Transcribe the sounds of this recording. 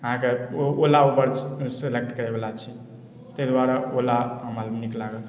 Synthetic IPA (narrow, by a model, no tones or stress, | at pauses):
əɦãkeoolaubəɾselek̚ʈkəɾebelat͡ʃʰi | t̪əjd̪waɾaolaɦəmalniklaɡəl